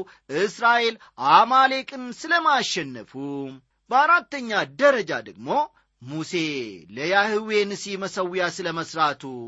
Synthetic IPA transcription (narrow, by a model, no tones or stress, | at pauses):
ʔɨsɾaʔe̞l | ʔamale̞kʼɨnsɨləmaʃːɛnːəfu | bəaɾat̪ːəɲːad̪əɾəd͡ʒa̰d̪əɡ̚mo̞ | muse̞ləjahɨwe̞nɨsiməsəwjasɨləməsɾat̪ʰu